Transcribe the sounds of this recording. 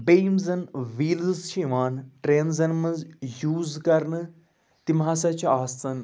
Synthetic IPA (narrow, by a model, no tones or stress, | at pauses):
bejmzɐnʋiːlzt͡ʃʰiʋaːnʈɾeːnzɐnmɐnzjuːzkɐɾnɨ | t̪imɦaːsɐt͡ʃʰaːst̪ɐn